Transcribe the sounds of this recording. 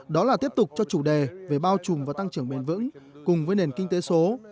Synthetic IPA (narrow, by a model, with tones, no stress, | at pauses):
ɗɔ˨˦laː˨˩t̪i˦˥əp̚t̪ʊ˨˩k͡p̚t͡ɕɔ˧t͡ɕu˧˩ɗe˨˩ve˨˩ɓaː˧wt͡ɕʊ˨˩ŋ͡mvaː˨˩wt̪a˧ŋt͡ɕɨ˧˩əŋɓe˨˩nvɨ̰˧˥ŋkʊ˨˩ŋ͡mvəː˨˦jne˨˩nkï˧ŋ̟t̪e˨˦so˨˦